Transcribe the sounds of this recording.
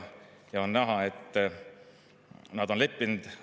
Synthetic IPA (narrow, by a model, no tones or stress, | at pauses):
jɑonnæɦɑet̪ː | nɑd̪̥onlepːind̪̥